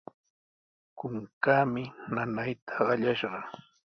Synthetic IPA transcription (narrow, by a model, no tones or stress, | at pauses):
kʊŋkaːmɪnanajt̪ʰḁɢɑʎaʃɢɑ